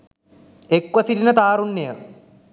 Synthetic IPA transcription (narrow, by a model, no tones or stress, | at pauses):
ekʋɐsilinət̪aːɾunːejə